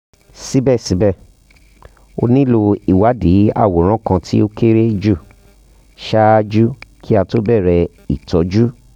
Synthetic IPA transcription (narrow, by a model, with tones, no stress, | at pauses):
si˦bɛ˦˨si˨˦bɛ˦˨ | o̰˧nĩ˦lo˧i˨wa˨˦di˨˦a̰˦˨wo˨˦ɾ̃ã˦˨kã˧tʰi˦o˦ke˦ɾe˦d͡ʒu˦˨ | ʃa˦a˧˦d͡ʒu˦kʰi˦a˧to˦bɛ˦˨ɾɛ˧ | ḭ˨tɔ˨˦d͡ʒu˦